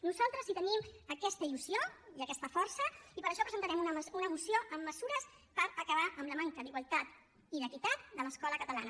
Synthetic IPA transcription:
nuzalˠt̪ɾəzit̪əniməkɛst̪əiluzioiəkɛst̪əfɔɾsəipəɾəʃɔpɾəzənt̪əɾɛmunəunəːmusioʔəmːəzuɾəs | pəɾəkəβ̞aʔəmləmaŋkəd̪iɣwəlˠt̪at̪ | iðəkit̪at̪̚d̪ələskɔləkət̪əlanə

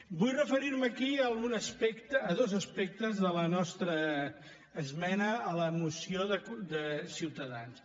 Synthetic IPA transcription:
bujrəfəɾiɾməkiəlˠɣunəspɛkt̪əːðozəspɛk̚t̪əzðələnɔst̪ɾəː | zmɛnəːləmusioðəkd̪əsiwt̪əðans

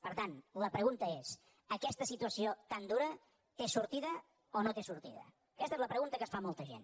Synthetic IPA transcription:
pəɾt̪anləpɾəɣunt̪əes | əkɛst̪əsit̪uəsiot̪and̪uɾə | t̪esuɾt̪iðə | onot̪esuɾt̪iðə̰ | əkɛst̪əezləpɾəɣunt̪əkəsfamolˠt̪əʒḛn

